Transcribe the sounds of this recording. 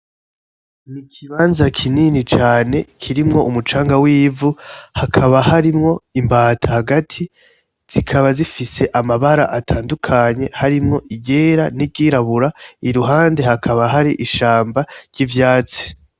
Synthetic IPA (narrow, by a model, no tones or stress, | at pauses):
nikʰiβaːnzakʰininit͡ʃaːne̞kʰiɾimŋo̞ʔumut͡ʃaːŋɡawiːvuhakʰaβahaɾimŋo̞imbaːtʰahaɡatʰi | z̥ikʰaβazifise̞ʔamaβaɾa̰ʔatʰaːndukʰaɲe̞haɾimŋo̞ʔiɟeɾanib̚ɡiːɾaβuɾaiɾuɦaːnde̞hakʰaβaɦaɾiʔiʃaːmbaɾɟ̥ivjaːt͡si̥